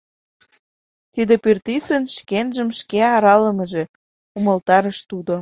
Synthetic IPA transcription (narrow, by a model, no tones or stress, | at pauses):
t̪id̪epyrt̪isənʃkenʒəmʃkeɑɾɑlə̆mə̆ʒe̽ | uməlt̪ɑɾəʃt̪ud̪o